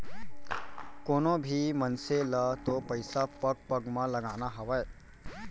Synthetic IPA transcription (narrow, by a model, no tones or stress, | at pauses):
koːnobʱimənselət̪opəjsapək̚pɐɡmãlɐɡaːnaɦɐʋaje